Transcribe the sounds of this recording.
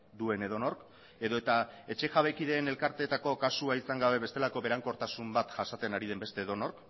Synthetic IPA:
d̪ue̞ne̞ð̞o̞no̞ɾk | e̞ðo̞e̞t̪ae̞t͡ʃe̞ʝaβekiðe̞ːne̞lkaɾt̪e̞ːt̪ako̞kasuaisaŋɡaβe̞βe̞st̪e̞lako̞βe̞ɾaŋko̞ɾt̪asumbat̪ʝasat͡s̪e̞naɾiðe̞mbe̞st̪e̞ːðo̞no̞ɾk

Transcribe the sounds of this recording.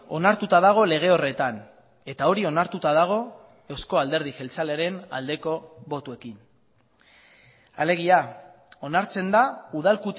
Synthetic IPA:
o̞̰naɾt̪ut̪aðaɣ̞o̞le̞ɣ̞e̞o̞re̞t̪an | e̞t̪ao̞ɾio̞naɾt̪ut̪aðaɣ̞o̞ | e̞wsko̞ald̪e̞ɾðixe̞lt͡saleaɾe̞na̰ld̪e̞ko̞βo̞t̪ue̞kin | a̰le̞ɣ̞ia | o̞naɾt͡se̞nd̪auð̞alkut̪

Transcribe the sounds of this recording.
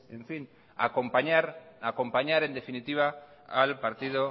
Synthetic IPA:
eɱfin | a̰kompaɲaɾako̞mpaɲaɾe̞nd̪e̞finit̪iβ̞a | alpaɾt̪ið̞o

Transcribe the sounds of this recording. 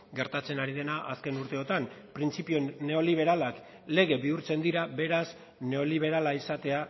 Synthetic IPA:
ɡe̞ɾt̪at͡se̞naɾiðe̞naʔaske̞nuɾt̪e̞o̞t̪ampɾint͡sipio̞ne̞o̞liβ̞e̞ɾalak | le̞ɣ̞e̞βiuɾt͡se̞nd̪iɾaβe̞ɾas | ne̞o̞liβ̞e̞ɾalaisat̪e̞a

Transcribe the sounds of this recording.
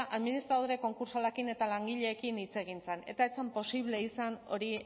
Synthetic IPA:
ʔaðminist̪ɾað̞oɾe̞ko̞ŋkuɾsalakine̞t̪alaŋɡiʎe̞ːkinit͡se̞ɣ̞int͡sene̞̰t̪aet͡sempo̞siβ̞le̞isano̞̰ɾi

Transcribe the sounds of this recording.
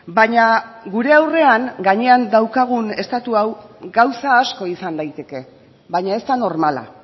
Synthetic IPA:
baɲaɡuɾe̞awre̞aŋɡaɲe̞and̪awkaɣ̞une̞st̪at̪uawɡawsaːsko̞isand̪ajt̪e̞ke̞ | βaɲae̞st̪ano̞ɾmala̰

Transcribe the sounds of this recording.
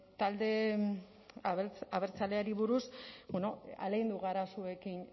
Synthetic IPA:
t̪ald̪e̞ | t͡saβeɾt͡sale̞aɾiβ̞uɾusbenoa̰lejnd̪uɣaɾasue̞kin

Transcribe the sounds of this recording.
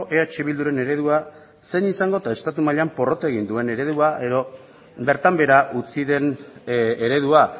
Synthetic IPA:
ʔeat͡ʃeβild̪uɾe̞ne̞ɾe̞ð̞ua | se̞nisaŋɡo̞t̪ae̞st̪at̪umaʎeampo̞ro̞t̪oeɣ̞ind̪ue̞ne̞ɾe̞ðuaʔe̞ðo̞ | be̞ɾt̪ambe̞ɾaʔut͡siðe̞n | eɾe̞ð̞ua

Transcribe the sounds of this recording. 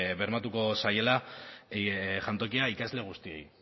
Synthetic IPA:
βe̞ɾmat̪uko̞saje̞la | ʝant̪o̞kiaikazle̞ɣ̞ust̪ie̞̰j

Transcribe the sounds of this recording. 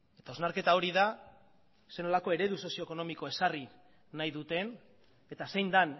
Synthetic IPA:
e̞t̪aoznaɾke̞t̪ao̞ɾiða | se̞no̞lako̞e̞ɾe̞ðuso̞sio̞eko̞no̞miko̞e̞sari | najðut̪e̞n | e̞t̪ase̞jnd̪an

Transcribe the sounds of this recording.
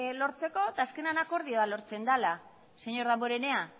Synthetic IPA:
lo̞ɾt͡se̞ko̞t̪aːske̞nanako̞ɾðioβalo̞ɾt͡se̞nd̪ala | seɲo̞ɾðamboɾene̞a

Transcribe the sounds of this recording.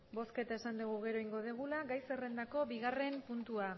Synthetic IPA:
bo̞ske̞t̪aesand̪uɣ̞uɣ̞eɾo̞jŋɡo̞ð̞eɣ̞ulaɣajse̞re̞nd̪ako̞βiɣ̞are̞mpunt̪ua

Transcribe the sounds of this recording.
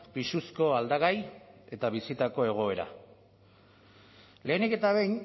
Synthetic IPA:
pisusko̞ald̪aɣaje̞t̪aβisit̪ako̞e̞ɣ̞o̞e̞ɾa̰ | le̞ːnike̞t̪aβe̞jɲ

